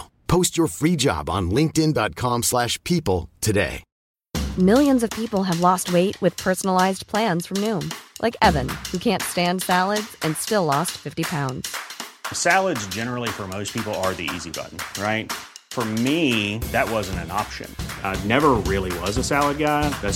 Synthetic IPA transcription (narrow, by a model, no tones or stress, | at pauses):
pʰoʊst͡ʃə˞fɹid͡ʒɑ̰bn̩lɪ̃ŋk̚tɨ̃ndɑt̚kʰɑ̃mslæʃpʰipl̩ˠtʰɨdḛɪ | mɪlˠjɨ̃nzʌv̥pʰipl̩ˠɨvlɔst̚weɪʔ̚wɨð̥pʰɜ˞sn̩əl̩aɪzpʰl̥æ̃nz̥fɹʌ̃mnũmlʔa̰ɪkɛvɨ̃nhʉkʰæ̃ntstæ̃nd̥sælˠədz̥ɨ̃nstɪlɔstfɪftipʰãʊ̃ndz̥sælˠədzd͡ʒɛnə˞l̩ˠifə˞moʊspʰipl̩ˠə˞ðḭḭzibʌ̰ʔn̩ɹaɪt̚fə˞miðɨt̚wʌzɨ̃n̩tɨ̃nɑpʃɨ̰̃nnɛvə˞ɹɪlˠiwʌzəsælˠəd̚ɡaɪðɨ